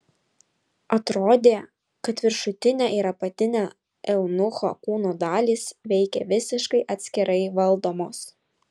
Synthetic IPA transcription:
ɐt̪ɾoːd̪ʲeː | kɐt̪ʋʲɪɾʃʊt̪ʲɪnʲɛʔɪɾɐpɐt̪ʲɪnʲɛ | ʔɛʊnʊxo̰ːkuːnoːd̪ɑːlʲiːsʋʲɛɪkʲɛ̰ʋʲɪsʲɪʃkɐɪʔɐt̪ʲsʲkʲɪɾɐɪʋɐlˠd̪oːmoːs

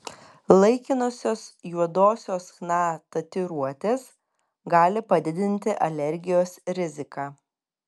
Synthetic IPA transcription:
lˠɐɪkʲɪnʊsʲoːsjuɔd̪oːsʲoːsxnɑːt̪ɐt̪ʲɪɾuɔt̪ʲeːs | ɡɑːlʲɪpɐd̪ʲɪd̪ʲɪnʲt̪ʲɪʔɐlʲɛɾʲɡʲɪjoːsɾʲɪzʲɪkɑː

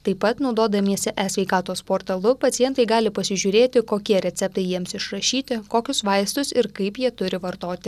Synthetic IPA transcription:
t̪ɐɪpːɐt̪nɒʊd̪oːd̪ɐmʲiɛsʲɛʔæsʲʋʲɛɪkɑːt̪oːspoːɾt̪ɐlˠʊpɐt̪sʲɪjɛnt̪ɐɪɡɑːlʲɪpɐsʲɪʒʲʊːɾʲeːt̪ʲɪkoːkʲiɛɾʲɛt̪sʲɛp̚t̪ɐɪjiɛmsɪʃɾɐʃʲiːt̪ʲɪkoːkʲʊsʋɐɪst̪ʊsɪɾkɐɪpjiɛt̪ʊɾʲɪʋɐɾt̪oːt̪ʲɪ

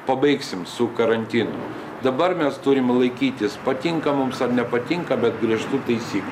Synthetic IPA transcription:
pɐbɐɪksʲɪmsʊkɐɾɐnʲt̪ʲɪnʊ̰ | d̪ɐbɐɾmʲɛst̪ʊɾʲɪmlˠɐɪkʲiːt̪ʲɪspɐt̪ʲɪŋkɐmʊmsɐɾnʲɛpɐt̪ʲɪŋkɐbʲɛt̪ɡɾʲiɛʃt̪uːt̪ɐɪsʲiːklʲ

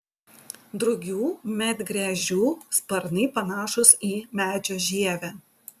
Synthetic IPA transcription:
d̪ɾʊɡʲuːmʲɛt̪ɡɾʲæʒʲuːspɐɾnɐɪpɐnɑːʃʊsiːmʲæːd͡ʒʲoːʒʲiɛʋʲæ

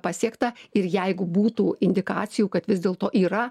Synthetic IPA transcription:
pɑsʲiɛkt̪ɐɪɾjɛɪɡʊbuːt̪uːɪnʲd̪ʲɪkɑːt͡ssʲɪjuːkɐt̪ʋʲɪzd̪ʲeːlˠt̪oːʔiːɾɐ

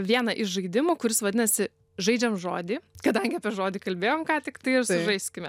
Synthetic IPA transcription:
ʋʲiɛnɐʔɪʃʒɐɪd̪ʲɪmuːkʊɾʲɪsʋɐd̪ʲɪnɐsʲɪ | ʒɐɪd͡ʒʲɛmʒo̰ːd̪ʲiːkɐd̪ɐŋʲɡʲɪɐːpʲiɛʒoːd̪ʲiːkɐlʲbʲeːjoːmkɑːt̪ʲɪkt̪ɐɪɪɾsʊʒɐɪsʲkʲɪmʲɛ

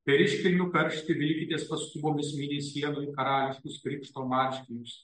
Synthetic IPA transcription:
pʲɛɾʲɪʃʲkʲɪlʲnʲʊkɐɾʲʃʲt̪ʲɪʋʲɪlʲkʲɪt̪ʲeːspɐst̪uːboːmʲɪsʲmʲinʲɛsʲiɛnoːjkɐɾɑːlʲɪʃʲkʲʊskɾʲiːpʃt̪oːmɑːt͡ʃʲkʲɪjʲʊs

